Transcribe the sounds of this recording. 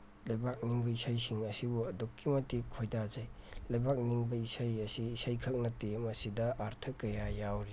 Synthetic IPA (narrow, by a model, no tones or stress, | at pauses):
lɐjbak̚niŋbɐisajsiŋɐsibuɐdokːimɐtːikʰojdazɐjlɐjbak̚niŋbɐisajɐsiːsajkʰɐk̚nɐtemɐsidɐʔaɾtʰɐkɐjajawɾi